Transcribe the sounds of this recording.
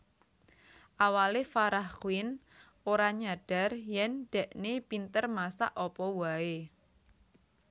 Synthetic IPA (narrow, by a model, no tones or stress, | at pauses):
ʔawalefaɾahkuwɪn | oɾaɲaɖ̥a̤rjɛnɖ̥ɛ̤ʔnepint̪ərmasa̰ʔɔpɔwae